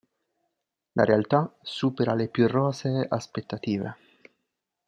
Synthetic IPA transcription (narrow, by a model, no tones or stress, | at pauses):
lʔa̰ɾealt̪asuːpeɾalepjurːɔːzeʔaspet̪ːat̪iːvḛ